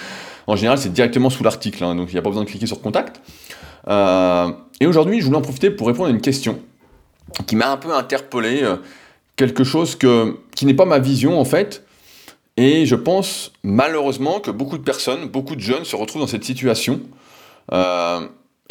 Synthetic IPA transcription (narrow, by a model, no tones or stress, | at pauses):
ɑ̃ʒeneʁalsɛd̪iʁɛk̚t̪əmɑ̃sulaʁt̪iklɛ̃d̪ɔ̃kiljapabəzwɛ̃d̪əklikʲesyʁəkɔ̃t̪akt̪ | ø | eoʒuʁd̪ɥiʒəvulɛɑ̃pχɔfit̪epuʁːepɔ̃d̪ʁaynkʲɛst̪jɔ̃ | kʲimaɛ̃pøɛ̃t̪ɛʁpəleø | kʲɛlkəʃozkəkʲinɛpamavizjɔ̃ɑ̃fɛt̪ | eʒəpɑ̃smaløʁøzmɑ̃kəbokud̪əpɛʁsɔnbokud̪əʒœnsəʁət̪χuvd̪ɑ̃sɛt̪sit̪ɥasjɔ̃ | ø